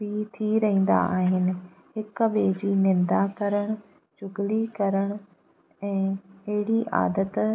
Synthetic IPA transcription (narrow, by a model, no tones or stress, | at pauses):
bit̪ʰiɾɐɦĩːn̆d̪a̰aːɦɪnɪ̆ | ɦɪkbeːd͡ʑiːnɪ̃nd̪akɐɾəɽ̃ | d͡ʑʊɡlikɐɾəɽ̃ | ɛ̃ːɐɦɪɽiʔa̰ːd̪ət̪